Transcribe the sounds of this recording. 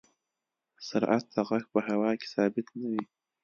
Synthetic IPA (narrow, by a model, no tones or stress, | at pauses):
saɾʔat̪̚ʰːaʁaxpəɦawaːkʲʰi̥saːbit̪ʰnɨwi